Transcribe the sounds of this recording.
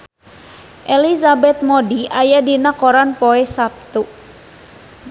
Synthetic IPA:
ʔelizabɛt̪̚modiʔajadinakoɾanpoɛsap̚t̪u

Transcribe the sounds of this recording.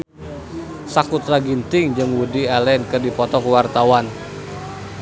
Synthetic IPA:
sakut̪ɾaɡint̪ɪŋd͡ʒɨŋwudiɛlɛnkɨrdipɔt̪ɔkuwart̪awan

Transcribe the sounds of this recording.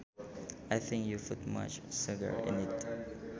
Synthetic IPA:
ʔajθɪ̃ŋkjupʰut̚ma̰t͡ʃsʊɡə̰ɹɪ̰̃nɪt

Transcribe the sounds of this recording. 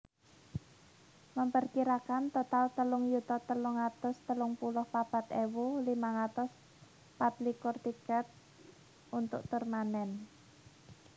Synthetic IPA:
məmpərkiɾakant̪ot̪alt̪əlʊŋjut̪ɔt̪əlʊŋat̪ɔst̪əlʊŋpulʊhpab̥a̤t̪ewulimaŋat̪ɔs | pat̪likʊrt̪ikɛt̪̚ | ʔunt̪ʊʔ̚t̪ʊrmanɛn

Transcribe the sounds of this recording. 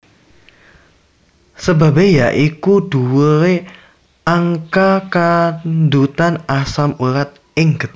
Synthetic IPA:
səba̤bejaʔikuɖ̥uwəɾe | aŋkakand̪ut̪anasamuɾat̪̚ | ɪŋɡət̪̚

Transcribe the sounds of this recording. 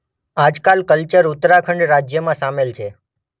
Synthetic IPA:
ad͡ʒkalkəlt͡ʃəɾʊt̪ɾakʰəɳɖɾad͡ʒjəmãsamelt͡ʃʰe

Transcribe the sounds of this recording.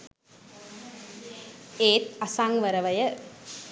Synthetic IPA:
eːt̪asaŋʋəɾəʋəjə

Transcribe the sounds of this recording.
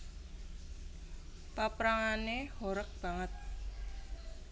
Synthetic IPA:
papɾaŋanehoɾək̚b̥a̤ŋət̪̚

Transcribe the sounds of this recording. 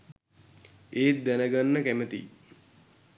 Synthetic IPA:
eːt̪̚d̪ænəɡanːəkæmət̪ḭ

